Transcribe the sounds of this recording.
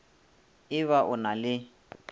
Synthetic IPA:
ɪβaʔʊnalɪ

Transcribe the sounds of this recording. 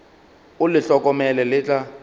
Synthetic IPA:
ʊlɪɬɔkʼɔmɛlɛlɪːt͡ɬʼa

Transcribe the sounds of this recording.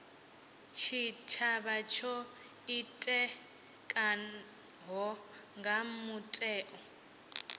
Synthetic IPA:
t͡ʃʰit͡ʃʰaβat͡ʃʰɔ | itʼɛ | kʼa | ɦɔŋɡamutʼɛːʔɔ

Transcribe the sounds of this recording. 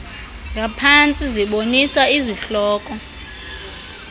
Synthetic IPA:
ŋɡʱapʰant͡sʼiziɓonisaiziɬɔːkʼɔ

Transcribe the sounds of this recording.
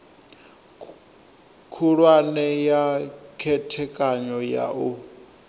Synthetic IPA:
kʰuɺwanɛjakʰɛtʰɛkʼaɲɔja̰ʔu

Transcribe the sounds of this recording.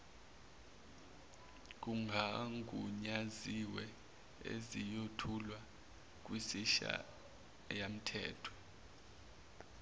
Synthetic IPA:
k̬uŋɡʱaŋɡʱʼuɲaziwɛ | ḛzijotʰulwa | k̬ʼwisiʃa̰ | jam̩tʰɛ̰ːtʰɔ̥

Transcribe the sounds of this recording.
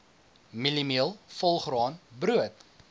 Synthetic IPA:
milimiəlˠfɔlˠχrɑːnbruət

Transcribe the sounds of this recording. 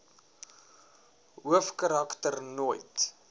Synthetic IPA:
ɦuəfkaɾɐktərnojt

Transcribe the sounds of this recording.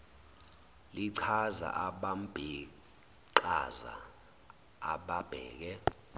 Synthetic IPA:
liǀʰaza̰ʔaɓambʱi | ǃa̰za̰ | ɓab̥ʱɛːk̬ɛ

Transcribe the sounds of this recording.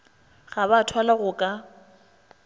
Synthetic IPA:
ɣaβatʰwalaɣʊkʼa

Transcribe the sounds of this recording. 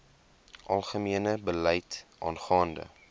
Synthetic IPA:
ʔɐlˠχəmiənəbəlɛjtʔɑ̰ːnχɑːndə̰

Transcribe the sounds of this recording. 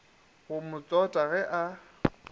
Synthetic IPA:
ɣʊmʊt͡sʼɔtʼaɣɛʔa

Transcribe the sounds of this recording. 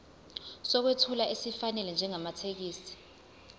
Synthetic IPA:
sɔk̬wetʰulaʔesifanɛlɛnd͡ʒʱɛŋamatʰek̬iːsi̥

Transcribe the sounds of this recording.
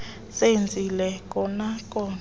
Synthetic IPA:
send͡zʱilɛkʼɔnakʼɔ

